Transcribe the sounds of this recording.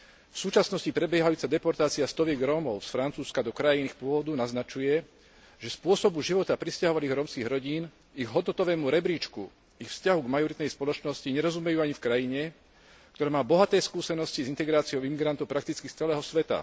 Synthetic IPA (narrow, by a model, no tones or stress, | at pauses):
fsuːt͡ʃasnɔscipɾɛbjɛɦajuːt͡sad̪ɛpɔɾt̪aːt͡siast̪ɔʋɪɛɡɾɔːmɔʊsfɾant͡suːskad̪ɔkɾajinixpʊɔʋɔd̪unaznat͡ʃujɛ | ʒɛspʊɔsɔbuʒiʋɔt̪apɾiscaɦɔʋaliːɣɾɔːmskiːɣɾɔɟiːn | iɣɦɔd̪nɔt̪ɔʋɛːmuɾɛbɾiːt͡ʃkṵ | ixfscaɦuɡmajɔɾit̪nɛjspɔlɔt͡ʃnɔsciɲɛɾɔzumɛjuːaɲifkɾajiɲɛ | k̚t̪ɔɾɛːmaːbɔɦat̪ɛːskuːsɛnɔscizint̪ɛɡɾaːt͡sijɔʊimiɡɾant̪ɔʊpɾak̚t̪it͡skist͡sɛlɛːɦɔsʋɛt̪a̰